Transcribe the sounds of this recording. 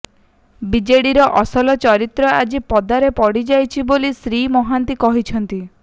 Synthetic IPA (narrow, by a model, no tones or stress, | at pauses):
bid͡ʒeɽiɾɔʔɔsɔlɔt͡ʃɔɾit̪ɾɔad͡ʒipɔd̪aɾepɔɽid͡ʒajt͡ʃʰibolisɾimɔɦant̪ikɔɦit͡ʃʰɔnt̪i